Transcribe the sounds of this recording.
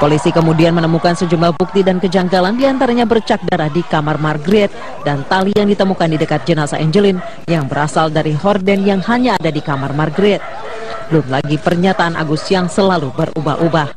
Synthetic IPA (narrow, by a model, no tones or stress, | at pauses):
polisikəmudianmənəmukansəd͡ʒumlahbuk̚t̪idankəd͡ʒaŋɡalandiant̪aɾaɲabərt͡ʃak̚daɾahdikamarmarɡɾɪt̪̚ | dant̪alijaŋdit̪əmukandidəkat̪̚d͡ʒənasa̰ʔɛɲd͡ʒəlɪn | jaŋbəɾasaldaɾiɦɔrdɛnjaŋhaɲaːdadikamarmarɡɾɛt̪̚ | lʊmlaɡipərɲat̪aːnʔa̰ɡusjaŋsəlalubəruba̰ɦubah